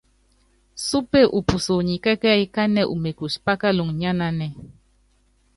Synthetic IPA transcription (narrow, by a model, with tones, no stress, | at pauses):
su˦pe˦˨ʔu˨pu˨so˨ɲi˨kɛ˦kɛ˦i˦ka˦nɛ˦ʔṵ˨me˨ku˨spa˦ka˦lu˨ŋɲa˦na˦nɛ˦